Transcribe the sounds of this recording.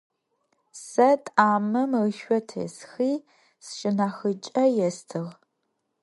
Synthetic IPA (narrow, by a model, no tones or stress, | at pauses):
sɐtʼaːmɐməʃʷɔtʰɐ̰sxiː | sʃɪnaːxɨt͡ʃʼɐjɛstʰɨʁ